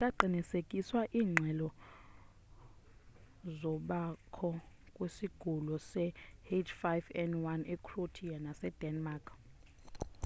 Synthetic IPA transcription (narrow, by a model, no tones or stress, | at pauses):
tʼaǃʱinisekʼiswaʔiːŋ͡ǁʱɛlɔ | zɔɓakʰɔ | kʼwesiɡ̥ʱulɔsɛhed͡ʒfajvɛnwanɛkʰʼrotʰianasɛd̥ɛnmakʰʼ